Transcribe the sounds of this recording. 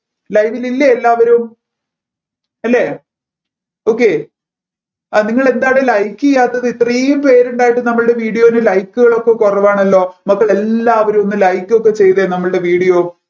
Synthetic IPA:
lɐjʋililːɐelːaːʋɐɾum | ɐlːe | o̞ːkːe̞ | aniŋːɐɭe̞nd̪aːɽelɐjkːijaːt̪ːɐðɨit̪ːrijumpe̞ːɾuɳɖaːjiʈːɨnɐmːɐɭɨɽe̞ʋiːɽijo̞ːinɨlɐjkːuɣɐɭo̞kːe̞kurɐʋaːɳɐlːo̞ːmɐkːɐɭelːaːʋɐɾumonːɨlɐjkːo̞kːe̞t͡ɕe̞jðenɐmːɐɭɨɽe̞ʋiːɽijo̞ː

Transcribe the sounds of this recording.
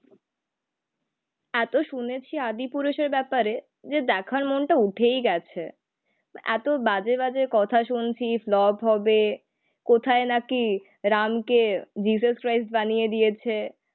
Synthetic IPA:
ɛt̪oʃunet͡ɕʰiad̪ipuɾuʃeɾbɛpaɾe | d͡ʑed̪ɛkʰaɾmonʈauʈʰejɡɛt͡ɕʰe | ɛ̰t̪obad͡ʑebad͡ʑekɔt̪ʰaʃunt͡ɕʰiflɔbɦɔbe | kot̪ʰaenaki | ɾamked͡ʑis̬uʃkɾajsʈbanijed̪ijet͡ɕʰe

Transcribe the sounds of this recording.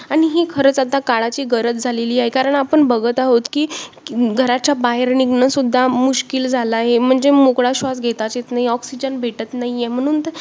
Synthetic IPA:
aɽ̃iɦikʰəɾət͡sat̪akaɭat͡ɕiːɡəɾət͡s̪d͡zʱaleliːaɦjkaɾəɳapəɳbəɡət̪aɦot̪kiː | ɡʱəɾat͡ɕjabaɦeɾniɡnəsud̪ʱːamuɕkild͡zʱalaːɦem̤əɳd͡zemokɭaɕʋasɡʱet̪at͡ɕet̪naɦiɔksid͡ʑənbʱeʈət̪naɦijem̤əɽ̃uːnt̪ə

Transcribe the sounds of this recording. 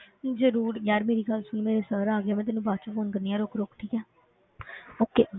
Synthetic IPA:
zəɾuːɾjjaːɾmeːɾiːɡəlsʊnmeːɾeːsəɾaːɡeaːmɛ̃ːt̪̬ɪːnːũːbaːt͡ʃəfoːnkəɾniːaːɾoːkɾoːkʈʰiːkɛː | oːkeː

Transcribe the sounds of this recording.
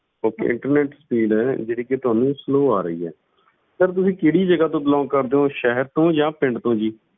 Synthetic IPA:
oːkḛːʔɪ̰̃ɳʈəɾneːʈsəpiːɖɛːd͡ʒeːɽiːket̪ʊaːnũːsloːaːɾəḭːɛ̰ː | səɾt̪̬ʊsĩːkeːɽiːd͡ʒəɡaːt̪õːbəlaːõkəɾd̪eːõːʃɛɦəɾt̪õːd͡ʒãːpɪ̃ɳɖt̪õːd͡ʒiː

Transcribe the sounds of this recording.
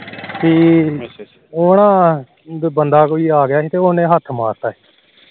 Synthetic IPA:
siː | oːnãː | bənd̪aːkoːiːaːɡjaːiːt̪eːoːnẽːɦət̪ʰmaːɾt̪aːeː

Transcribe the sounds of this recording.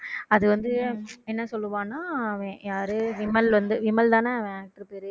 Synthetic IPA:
ɐðɯʋɐnd̪ɯɛnːɐsɔlːɯʋãːnːaːɐʋɛ̃jaːɾɯʋɪmɐlʋɐnd̪ɯʋɪmɐlt̪ãːneɐʋɛ̃aːk̚ʈɐɾpeɾ

